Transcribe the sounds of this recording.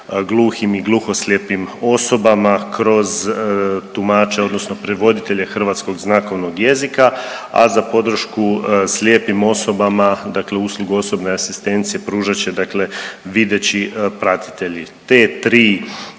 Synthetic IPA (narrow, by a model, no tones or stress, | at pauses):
ɡlˠuːximiɡlˠuxoslʲjepimo̞so̞bamakɾo̞z | t̪umaːt͡ʃeo̞d̪no̞sno̞pɾeʋo̞d̪it̪e̞ʎe̞xr̩ʋaːt̪sko̞ɡznako̞ʋnoɡje̞zikaa̰zapo̞d̪ɾ̩ʃkuslʲjeːpimo̞so̞bamad̪akle̞uːslˠuɡuo̞so̞bne̞asi̥st̪e̞nt̪sije̞pɾuːʒat͡ɕe̞d̪akle̞ʋid̪e̞t͡ɕipɾat̪i̥t̪e̞ʎit̪e̞ːt̪ɾiː